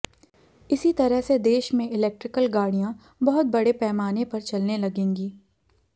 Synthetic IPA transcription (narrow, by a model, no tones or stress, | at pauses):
ɪsit̪ɐɾəɦsed̪eːʃmẽɪlɛk̚ʈɾɪkəlɡaːɽijã | bɐɦʊt̪̚bɐɽepɛːmaːnepɐɾt͡ʃɐlnelɐɡẽːŋɡiː